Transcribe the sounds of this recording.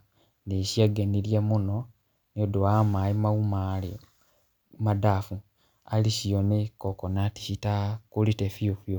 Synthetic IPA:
nesiaɡeniljamuno | niodoamaimaumali | madafu | alisijonekokonati̥sitakulitefiofjo

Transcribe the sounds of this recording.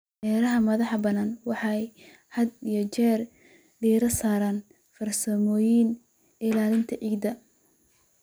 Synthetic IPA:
ʔɛːɾɐɦɐmɐðɑħbɐnaːnwɑħɑj | hɐd̪ijɔt͡ʃɛːr | ɖiːɾɐsaːɾaːn | fɐrsɐmɔːjin | ɪlaːlɪnt̪ʰɐʕiːɡd̪ɐ

